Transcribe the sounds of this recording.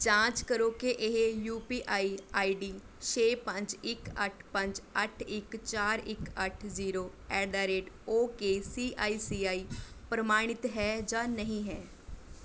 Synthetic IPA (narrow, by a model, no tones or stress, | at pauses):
d͡ʒãːt͡ʃkəɾoːkeʔɪɦejuːpiːʔaːiːaːiːɖiː | t͡ʃʰeːpə̃ɲd͡ʒɪkəʈʰpə̃ɲd͡ʒəʈʰɪkt͡ʃaːɾɪkəʈʰziːɾoː | ɛːɖaːɾeːɖoːkeːsiːʔaːiːsiːaːiː | pɾəmaːɽ̃ɪt̪ɦɛːd͡ʒãːnəɦĩːɦɛː